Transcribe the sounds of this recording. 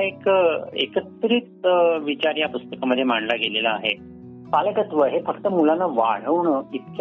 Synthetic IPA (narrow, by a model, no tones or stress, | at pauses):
ekḛkət̪ɾit̪̚ʋit͡ɕaɾjapust̪əkaməd̪ʱːjemaɳlaɡelelaːɦe | paləɡət̪ʋəɦefəkt̪əmulanːaʋa̰ɽ̤əwɳəit̪̚k